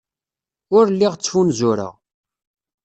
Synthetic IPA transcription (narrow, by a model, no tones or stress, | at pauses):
ʊɾlːiʁt͡sːfunzʊɾə̰ʁ